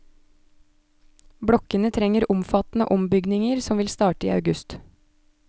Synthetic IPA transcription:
bɽɔkənət̪ʰɾɛŋəɾʊmfɑt̪n̩ə̰ʔɔmbʏɡnɪŋəɾsɔmʋɪlst̪ɑːʈəḭːɑ̰ʉɡʉst̪

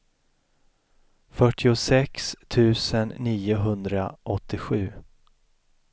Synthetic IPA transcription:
fœʈʰːɪʊsɛkst̪ʰʉ̟ːsənːiːʊɦɵnd̪ɾaʔɔt̪ʰːɪɧʉ̟ː

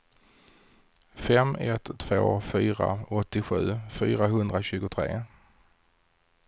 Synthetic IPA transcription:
fɛmɛt̪t̪ʰːvo̰ːfyːɾa̰ɔt̪ːɪɧʉ̟ːfyːɾaɦɵnd̪ɾaɕʉ̟ːɡʊt̪ʰɾḛː

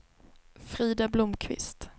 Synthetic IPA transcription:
fɾiːd̪ablʊmkʰvɪ̰st̪

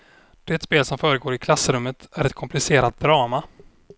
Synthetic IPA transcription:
d̪̥ɛt̪speːlsɔmfœːɾəɡoːɾɪkʰlasːəɾɵmːət̪æɾɛt̪̚kʰɔmplɪseːɾat̪̚d̪ɾɑːma

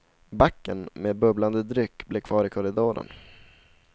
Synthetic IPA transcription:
bakːənmeːbɵbland̪əd̪ɾʏkːbleːkʰvɑːɾɪkʰɔɾɪd̪oːɾə̰n

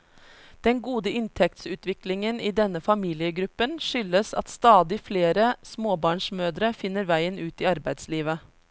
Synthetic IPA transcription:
d̪̥ɛnɡuːd̪əɪnt̪ʰɛk̚t̪sʉːt̪ʋɪklɪŋəniːd̪ɛnəfɑmiːlɪəɡɾʉpːənʃʏləsɑ̰t̪st̪ɑːd̪ɪfleːɾəsmoːbɑːɳʂmøːd̪ɾəfɪnːəɾʋæɪənʉːt̪iːɑɾbæɪd̪sliːʋə

